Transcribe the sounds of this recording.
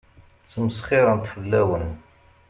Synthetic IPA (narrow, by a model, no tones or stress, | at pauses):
t͡sːəmsχɪɾˤənt̪fəlːæwən